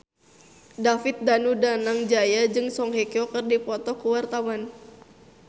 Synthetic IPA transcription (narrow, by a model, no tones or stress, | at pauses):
dafɪt̪̚danudanaŋd͡ʒajad͡ʒɨŋsɔŋɦɛkiɔkɨrdipɔt̪ɔkuwart̪awan